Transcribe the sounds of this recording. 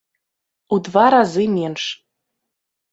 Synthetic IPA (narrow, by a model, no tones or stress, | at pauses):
ud̪vɑɾɑzɨmʲenʃ